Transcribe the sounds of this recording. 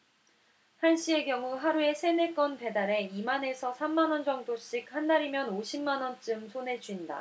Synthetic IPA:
hanɕ͈ie̞ɡjʌŋuɦaɾue̞sʰe̞ne̞k͈ʌnpe̞daɾe̞imane̞sʰʌsʰamːanʌnd͡ʑʌŋdoɕ͈ik̚handaɾimjʌnoɕʰimːanʌnt͡ɕ͈ɯmsʰone̞d͡ʑuinda̰

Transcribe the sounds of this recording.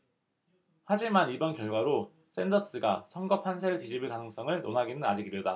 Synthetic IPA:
had͡ʑimanibʌnkjʌɭɡwaɾo | s͈ʰendʌs͈ɯɡasʰʌŋɡʌpʰansʰeɯtid͡ʑibɯɭkanɯŋs͈ʌŋɯɭnonɦaɡinɯnad͡ʑiɡiɾjoda

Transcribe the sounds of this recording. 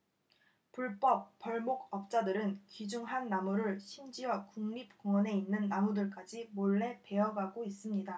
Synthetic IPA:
puɭp͈ʌp͈̚ːʌɭmok̚ʌp̚t͡ɕ͈adɯɾɯnkid͡ʑuŋɦanːamuɾɯɭɕʰimd͡ʑijʌkuŋɲip̚koŋʌne̞inːɯnːamudɯɭk͈ad͡ʑimoɭːe̞pe̞ʌɡaɡois͈ɯmɲida

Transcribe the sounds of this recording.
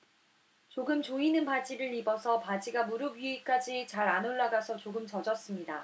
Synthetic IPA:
t͡ɕoɡɯmt͡ɕoinɯnpad͡ʑiɾɯɭibʌsʰʌpad͡ʑiɡamuɾɯbɥiik͈ad͡ʑit͡ɕaɾanoɭːaɡasʰʌt͡ɕoɡɯmt͡ɕʌd͡ʑʌs͈ɯmɲida

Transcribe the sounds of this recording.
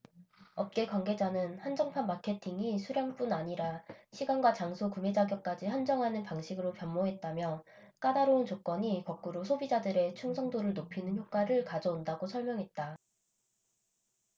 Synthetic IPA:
ʌp̚k͈e̞kwanɡe̞d͡ʑanɯnhand͡ʑʌŋpʰanmakʰe̞tʰiŋisʰuɾjʌŋp͈unaɲiɾaɕʰiɡanɡwat͡ɕaŋsʰokume̞d͡ʑaɡjʌk̚k͈ad͡ʑihand͡ʑʌŋɦanɯnpaŋɕʰiɡɯɾopjʌnːoɦe̞t̚t͈amjʌ | k͈adaɾount͡ɕok͈wʌɲikʌk̚k͈uɾosʰobid͡ʑadɯɾe̞t͡ɕʰuŋsʰʌŋdoɾɯɭnopʰinɯnçjok͈waɾɯɭkad͡ʑʌundaɡosʰʌɭmjʌŋɦe̞t̚t͈a

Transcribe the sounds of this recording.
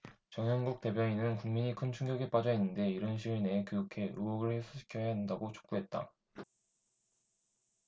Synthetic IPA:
t͡ɕʌŋjʌŋɡuk̚t͈e̞bjʌɲinɯnkuŋmiɲikʰɯnt͡ɕʰuŋɡjʌɡip͈ad͡ʑʌɦinːɯnde̞iɾʌnɕ̬ʰiine̞kojukʰe̞uɡoɡɯɭhesʰoɕʰi̥kʰjʌjaɦandaɡot͡ɕʰo̥k̚p͈uɦe̞t̚t͈a̰

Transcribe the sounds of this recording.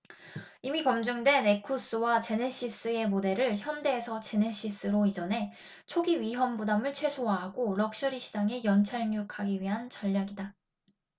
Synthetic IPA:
imikʌmd͡ʑuŋdwe̞ne̞kʰus͈ɯwat͡ɕe̞ne̞ɕ͈is͈ɯe̞mode̞ɾɯɭçjʌnde̞ːsʰʌt͡ɕe̞ne̞ɕ͈is͈ɯɾoid͡ʑʌne̞ | t͡ɕʰoɡiɥiɦʌmbudamɯɭt͡ɕʰwe̞sʰoɦaɦaɡoɾʌk̚ɕ͈ʌɾiɕʰid͡ʑaŋe̞jʌnt͡ɕʰaɭɲukʰaɡiɥiɦant͡ɕʌʎːaɡida

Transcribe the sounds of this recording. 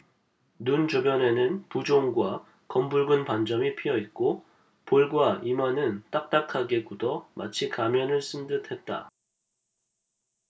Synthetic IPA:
nunt͡ɕobjʌne̞nɯnpud͡ʑoŋɡwa | kʌmbuɭɡunpand͡ʑʌmipʰijʌit̚k͈o | poɭɡwaimʌnɯnt͈ak̚t͈akʰaɡe̞kudʌmʔa̰t͡ɕʰikamjʌnɯɭs͈ɯndɯtʰe̞t̚t͈a̰

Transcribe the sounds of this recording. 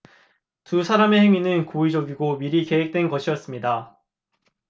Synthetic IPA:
tusʰaɾame̞heŋinɯnkoid͡ʑʌɡiɡomiɾike̞ɦwek̚t͈we̞nɡʌɕʰijʌs͈ɯmɲida

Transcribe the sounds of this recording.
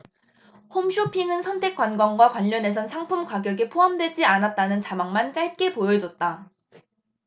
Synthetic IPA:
homɕʰopʰiŋɯnsʰʌntʰe̞k͈wanɡwanɡwakwaʎːʌne̞s̬ʰʌnsʰaŋpʰumkwaɡjʌɡepʰoɦamdwe̞d͡ʑianat̚t͈anɯnt͡ɕamaŋmant͡ɕ͈aɭk͈e̞pojʌd͡ʑʌt̚t͈a

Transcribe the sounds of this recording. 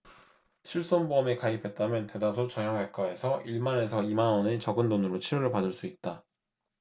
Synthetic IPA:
ɕʰiɭs͈onboʌmikaipʰe̞t̚t͈amjʌnte̞das̬ʰot͡ɕʌɲjʌŋek͈ae̞sʰʌʔiɭmane̞sʰʌimanwʌnet͡ɕʌɡɯndonɯɾot͡ɕʰiɾoɾɯɭpadɯɭs͈uit̚t͈a

